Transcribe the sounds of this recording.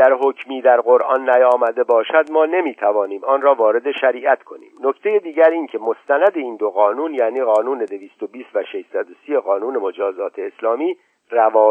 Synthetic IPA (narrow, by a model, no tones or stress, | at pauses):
æɾɦocʰmiːd̪æɾɣo̞ɾʔɒːnːæjɒːmæd̪e̞bɒːʃæd̪mɒːne̞miːt̪ʰævɒːniːmɒːnɾɒːvɒːɾe̞d̪e̞ʃæɾiːʔæt̪kʰo̞nḭːmno̞ct̪ʰe̞jed̪iːɟæɾiːncʰe̞mo̞st̪ænæd̪e̞iːnd̪oɣɒːnuːnjæːniːɣɒːnuːne̞d̪eviːst̪o̞biːst̪væʃeʃsæd̪osijeɣɒːnuːne̞mo̞d͡ʒɒːzɒːt̪ʰeːslɒːmiː | rævɒː